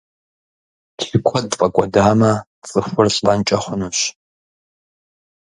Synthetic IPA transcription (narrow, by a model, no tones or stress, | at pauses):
tʰɪkʷʰɔdfʼɐkʷʼɔdaːmɐ | t͡sʼɨxʷʊrɬʼɐnt͡ʃʼɐχʷʊnuɕ